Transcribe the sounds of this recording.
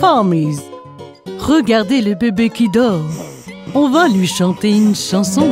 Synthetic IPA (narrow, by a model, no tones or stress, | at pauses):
famiz | ʁəɡaʁd̪eləbebekʲid̪ɔʁ | ɔ̃valɥiʃɑ̃t̪eynʃɑ̃sɔ̃